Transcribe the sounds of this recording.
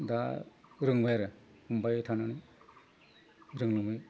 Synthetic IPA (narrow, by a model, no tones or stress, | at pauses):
daɾɯŋbajɾɯ | humbajtʰanani | ɾɯŋlɯmɯj